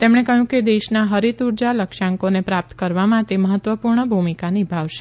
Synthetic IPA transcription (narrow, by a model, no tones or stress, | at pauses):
t̪emɳekəɦjũked̪eʃnaɦəɾit̪uɾd͡ʒaləkʃaŋkonepɾap̚t̪kəɾʋamãt̪eməɦət̪ʋəpuɾɳəbʱumikanibʱaʋʃe̥